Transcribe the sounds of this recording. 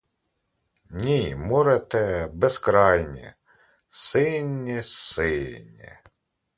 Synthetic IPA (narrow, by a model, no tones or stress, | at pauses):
nʲimɔɾɛt̪ɛbeskɾɑjnʲḭ | sɪnʲːisɪnʲːḭ